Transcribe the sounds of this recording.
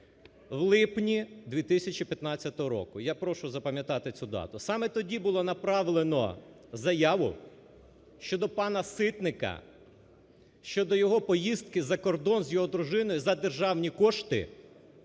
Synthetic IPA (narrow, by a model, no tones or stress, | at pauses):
wlˠɪpnʲid̪ʲʋʲit̪ɪsʲɐt͡ʃipʲjɐt̪nɑt͡sʲɐt̪ɔɦɔɾɔ̰kʊjapɾɔʃʊzɐpɐmʲjɐt̪ɑt̪ɪt͡sʲud̪ɑ̰t̪ʊsɑmɛt̪ɔdʲibʊlˠɔnɐpɾɑʋlˠenɔ | zɐjɑʋʊ̰ | ʃt͡ʃɔd̪ɔpɑnɐsɪt̪nɪkɐ̰ | ʃt͡ʃɔd̪ɔjɔɦɔpɔjist̪kɪzɐkɔrd̪ɔnzʲjɔɦɔd̪ɾʊʒɪnɔjʊzɐd̪erʒɑwnʲikɔʃt̪ɪ̰